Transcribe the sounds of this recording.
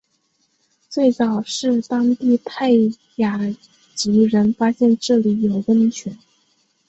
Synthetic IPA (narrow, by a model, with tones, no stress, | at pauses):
t͡swe˥˩ɪt͡sɑ˨˩ʊʂɻ̩˥˩t̪ɑ˥ŋt̪i˥˧t̪ʰa˥˩ɪ | ja˨˩ | t͡ɕi˧˥ɻə˧˥nfa˥ɕjɛ˥˧nʈ͡ʂɤ˥˩li˧˥jo˨˩ʊwə˥nt͡ɕʰɥɛ˧˥n